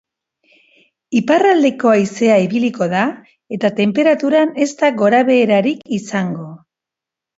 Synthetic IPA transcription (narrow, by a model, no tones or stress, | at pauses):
iparald̪e̞ko̞aise̞aiβiliko̞ða | e̞t̪at̪e̞mpe̞ɾat̪uɾane̞st̪aɣo̞ɾaβe̞ːɾaɾikisaŋɡo̞